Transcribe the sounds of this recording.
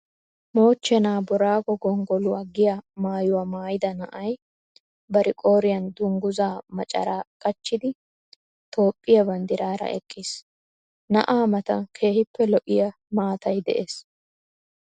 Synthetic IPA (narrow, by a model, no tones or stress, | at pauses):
mo̞ːt͡ʃːɛnaːbɔɾaːɡɔɡɔŋɡɔlʊɐɡɪjɐmaːjʊwɐmaːjɪd̪ɐnɐʔɐj | bɐɾɪkʼo̞ːɾɪjɐnd̪ʊŋɡʊzaːmɐt͡ʃʼɐ̰ɾaːkʼɐt͡ʃːɪd̪ɪ | t̪ʰo̞ːpʼːɪjɐbɐnd̪ɪɾaːɾɐ̰ʔɛ̰kʼːɪs | nɐʔaːmɐt̪ɐkʰe̞ːhɪpːɛlɔʔɪjɐ | maːt̪ɐjd̪ɛ̰ʔeːs